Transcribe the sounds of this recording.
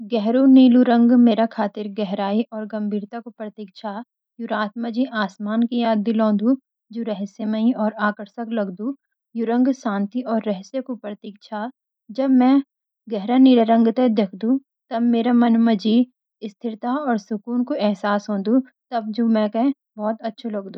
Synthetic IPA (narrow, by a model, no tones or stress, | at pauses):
ɡɛɦɾoniːluɾɐ̃ŋɡmeːɾakʰaːt̪ɪɾɡɛɦɾaːiʔɔːɾɡɐ̃mbʱiːɾt̪akopɾət̪iːkʃʰa | juɾaːt̪mad͡ʒiʔaːsmaːnkijaːd̪ːɪlɔ̃ːnd̪ũ | d͡ʒoːɾɛɦseməĩɔːɾaːkəɾsəklɐɡd̪u | juɾɐ̃ŋɡsãːnt̪iʔɔːɾːɛɦsekupɾət̪iːkʃʰa | d͡ʒɐbmɛ̃ | ɡɛɦɾanɪɾɾə̃ŋɡt̪ed̪eːkʰd̪ũ | t̪ɐbmeːɾamɐnmɐd͡ʒi | ɪst̪ʰɪɾt̪aɔːɾsʊkuːnkoʔɛɦsaːsɦõːd̪u | t̪ɐb̚d͡ʒoːmɛ̃kɛ̃ | bɔːt̪ɐtːʃʰelɐɡd̪ũː